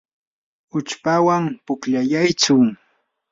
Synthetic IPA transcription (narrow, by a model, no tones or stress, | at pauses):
ʊt͡ʃpawampʊkʎajajt͡sʊŋ